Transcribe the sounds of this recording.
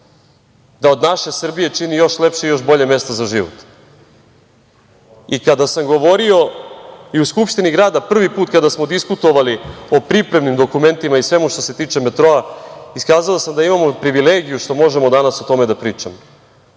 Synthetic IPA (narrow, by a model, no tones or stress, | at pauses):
d̪ao̞d̪naʃe̞sr̩bije̞t͡ʃinijo̞ʃlepʃeijo̞ʃbo̞ʎeme̞st̪ozaʒiʋo̰t̪ | ikad̪asamɡo̞ʋo̞ɾio̞ | iuskupʃt̪iniɡɾaːd̪apr̩ʋipuːt̪kad̪asmod̪iskut̪o̞ʋalio̞pɾipɾe̞mnimd̪o̞kume̞nt̪imaisʋe̞muʃt̪o̞se̞t̪iːt͡ʃe̞me̞t̪ɾo̞aiskaːzalosamd̪aimamo̞pɾiʋileːɡijuʃt̪o̞mo̞ʒemo̞d̪anasot̪o̞me̞d̪apɾiːt͡ʃamo